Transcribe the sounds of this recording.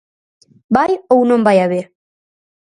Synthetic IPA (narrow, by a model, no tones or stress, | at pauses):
bajownombajaβe